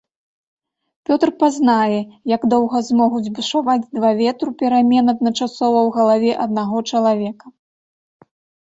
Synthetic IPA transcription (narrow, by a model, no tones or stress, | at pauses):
pʲɔt̪rpaznajɛjɐɡd̪ɔwɣɐzmɔɣud͡zʲbɨʂavad͡zʲd̪vavʲɛt̪ɾupʲɛɾamʲɛnɐd̪̚nɐt͡ʂasɔvɐwɣɐlˠavʲɛʔɐd̪naɣɔt͡ʂɐlˠavʲɛkɐ̥